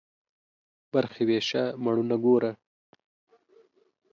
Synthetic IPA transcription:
b̥aɾxeweʃamaɳunaɡoɾa

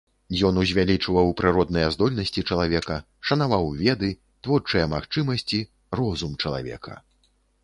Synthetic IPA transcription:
jɔnuzʲvʲalʲit͡ʂɨvɐwpɾɨɾɔd̪̚nɐjɐzd̪ɔlʲnɐsʲt͡sʲit͡ʂɐlˠavʲɛkɐ | ʂɐn̪avawvʲɛd̪ɨ | t̪vɔrt͡ʂɐjɐmaxt͡ʂɨmɐsʲt͡sʲi | rɔzumt͡ʂɐlˠa̰vʲɛ̰kʰɐ̰

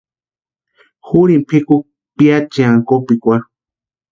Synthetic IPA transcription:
xuɾimpʰikuk̚ | piat͡ʃiaŋkopikʷaɾu

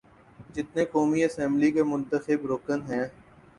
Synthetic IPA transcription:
d͡ʒɪt̪nekɔːmiɐsɛ̃mblikemʊ̃nt̪əxɪbɾoːkənɦɛ̃ː

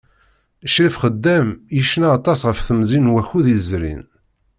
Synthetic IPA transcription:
əʃɾifχəd̪ːæmjiʃnaːt̪ˤɑsʁəfθəmzinwæçuðizɾḭn

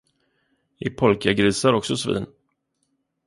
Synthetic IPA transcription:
ɪpʰɔlkaɡɾiːsaɾɔksɔsvḭːn

